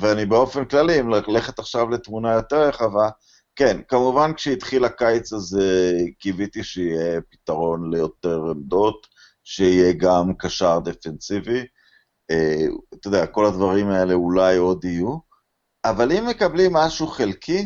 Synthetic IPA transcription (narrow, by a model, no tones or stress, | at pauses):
veanibeo̞fenklalimlle̞χet̪aχʃavlet̪munajo̞t̪e̞ʁjeχava | ke̞nkamuvankʃeit̪χilakajet͡sazekivit̪iʃeijepi̥t̪aʁo̞nle̞jo̞t̪e̞ʁemd̪o̞t̪ | ʃeije̞ɡamkaʃaʁd̪efensivi | eat̪odeako̞lad̪vaʁimae̞le̞ulajo̞d̪iju | avalimːe̞kablimːaʃuχelkʰi